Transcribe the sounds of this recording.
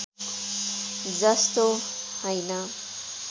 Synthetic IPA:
d͡zʌst̪o | hʌjnʌ

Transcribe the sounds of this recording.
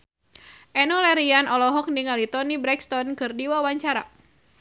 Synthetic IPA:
ʔɛnɔlɛɾianɔlɔɦɔk̚niŋalit̪ɔnibɾɛkst̪ɔnkɨrdiwawaɲt͡ʃaɾa̰

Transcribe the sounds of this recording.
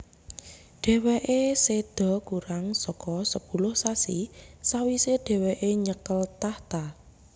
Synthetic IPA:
ɖ̥ɛ̤weʔesed̪̥ɔ̤kuɾaŋsɔkɔsəb̥ṳlʊhsasisawiseɖ̪̥ɛ̤weʔeɲəkəlt̪aht̪a

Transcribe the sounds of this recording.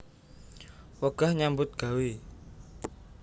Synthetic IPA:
wəɡ̥ahɲambʊt̪̚ɡ̥a̤wi

